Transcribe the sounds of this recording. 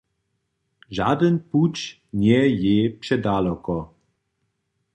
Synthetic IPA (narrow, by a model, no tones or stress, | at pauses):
ʒa̰d̪ənput͡ʃ | ɲɛjɛpʂɛd̪alɔkɔ